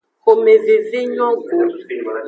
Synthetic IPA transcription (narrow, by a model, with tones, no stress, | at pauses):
ko˨me˨vi˨vi˦ɲɔ˦ɡo˨